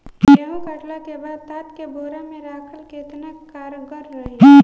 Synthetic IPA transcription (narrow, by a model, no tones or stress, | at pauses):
ɦũkɐʈlakebaːd̪̚t̪aːt̪kebʱoːɾamẽɾaːkʰəlkeɪt̪nakaːɾɡəɾːɐɦe